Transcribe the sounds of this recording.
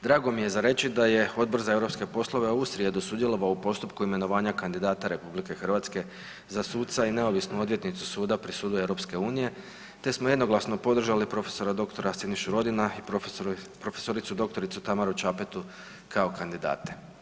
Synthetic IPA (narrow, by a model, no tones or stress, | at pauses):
d̪ɾaːɡo̞mije̞zaɾe̞t͡ʃid̪aje̞o̞d̪̚bor̩zaeɾo̞pske̞po̞slˠo̞ʋeoust̪ɾije̞d̪osud̪je̞lo̞ʋaoupo̞st̪upkuime̞no̞ʋaːɲakand̪id̪aːt̪aɾe̞publike̞xr̩ʋat̪ske̞ | zasuːt̪t̪saine̞o̞ʋisnuo̞d̪ʋje̞t̪nit̪su̥suːd̪apɾisuːd̪ue̞ʋɾo̞pske̞uːnije̞ | t̪e̞smoje̞d̪no̞ɡlˠasno̞po̞d̪r̩ʒalipɾo̞fe̞̥so̞ɾad̪o̞kt̪o̞ɾasiniʃuɾo̞d̪inai | pɾo̞feso̞ɾit̪sud̪o̞k̚t̪o̞ɾit̪sut̪amaɾut͡ʃapet̪u | kʰaokand̪id̪a̰ːt̪e